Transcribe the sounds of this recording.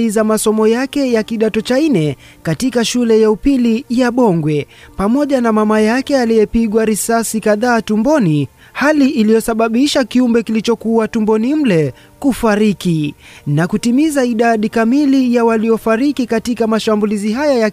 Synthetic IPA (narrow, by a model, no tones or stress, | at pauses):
izamasɔmɔjakɛjakiɗatɔt͡ʃainɛ | katikaʃulɛjaupilijaɓɔŋɡwɛpamɔʄanamamajakɛalijɛpiɠwaɾisasikaðaːtumbɔni | haliʔːlijɔsaɓaɓiʃakiumbɛkilit͡ʃɔkuwatumbɔnim̩lɛ | kufaɾikinakutimizaiɗaɗikamilijawalijɔfaɾikikatikamaʃambuliziɦajaja